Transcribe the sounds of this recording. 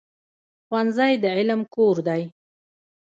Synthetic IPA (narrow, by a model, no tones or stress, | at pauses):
xwanzajd̪əʕɪlmkoɾd̪aj